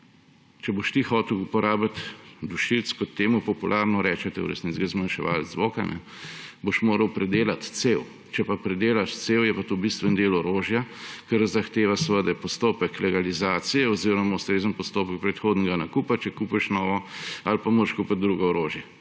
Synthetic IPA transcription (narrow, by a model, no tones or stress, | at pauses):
t͡ʃɛboʃt̪ixɔːt̪ɛwupɔɾaːblat̪d̪uʃilt̪skɔt̪ːeːmupɔpulʔaɾnɔɾɛːt͡ʃɛt̪ɛw̰ɾɛ̰st̪nit͡s̪ɡazmanʃɛʋa̰ːlzʋoːkanʔɛ̰ | boʃmoːɾɐwpɾɛd̪eːlat̪sew | t͡ʃɛpapɾɛd̪eːlaʃt̪seːwjɛpat̪obist̪ʋɛnd̪eːlɔɾoːʒjakəɾzaxt̪eːʋasəʋəd̪ɐjpɔst̪oːpəklɛɡalizaːt̪sijɛɔziɾɔmaust̪ɾeːzənpɔst̪oːpək̚pɾɛt̪xoːd̪nɛɡanakupat͡ʃɛkuːpɛʃnɔːʋɔalpamoːɾʃkupat̪̚d̪ɾuːɡɔɔɾoːʒjɛ